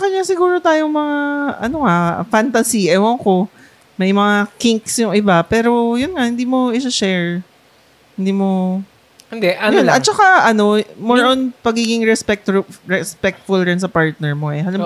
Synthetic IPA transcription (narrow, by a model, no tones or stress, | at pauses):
sɐkɐɲasɪɡuːɾot̪aːjoŋmɐŋaʔɐ̰noŋafant̪ɐsiʔɐjwoŋko̞ | mɐjmɐŋakɪŋksjʊŋʔɪbapɛːɾo̞jʊnŋahɪnd̪iːmo̞ʔɪʃɐʃɛɹ | hɪnd̪iːmo̞ | nd̪ɛʔɐnjonɐt̪̚t͡ʃɐkaʔɐno̞moɹʔonpɐɡiːɡɪŋɾɛspɛk̚t̪ɹɛspɛk̚t̪fʊlɾɛnsɐpaɹt̪̚nɛɹmoʔɛhɐlɐm